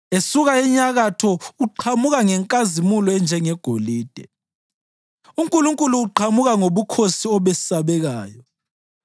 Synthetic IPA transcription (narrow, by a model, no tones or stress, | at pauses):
esuɣaɛɲaɣatʰɔuǃʰamuɣaŋɛŋkʼazimulɔɛnd͡ʒʱɛŋɛɡ̥ʱoliːd̥ʱɛ | uŋkʼuluŋkʼuluːǃʰamuɣaŋoβukʰosiɔβɛsaβɛɣaːjɔ